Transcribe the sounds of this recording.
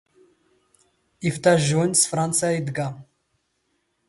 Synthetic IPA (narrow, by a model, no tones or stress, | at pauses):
ift̪ʰaʒunʲsfrant̪t͡sʰɨjaid̪ɡa